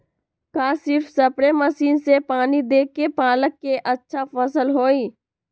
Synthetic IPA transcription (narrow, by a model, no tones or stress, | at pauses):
kaːsɪɾfsəpɽeməsiːnsepaːnid̪eːkːepaːləkːeʔətːʃʰafəsəlɦoːiː